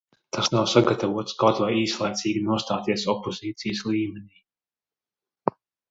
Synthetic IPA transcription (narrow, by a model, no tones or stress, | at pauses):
t̪ʰasnawsaɡat̪avuɔt̪skawt̪vajiːslˠajt̪siːɡʲinuɔst̪aːt̪iɛsɔpːɔziːt̪sijslˠiːmɛnʲiː